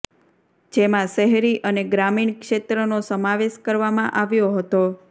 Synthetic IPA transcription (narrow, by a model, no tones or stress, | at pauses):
d͡ʒemãʃəɦɾiʔəneɡɾamiɳkʂet̪ɾənosəmaʋeʃkəɾʋamãʔaʋjoɦət̪o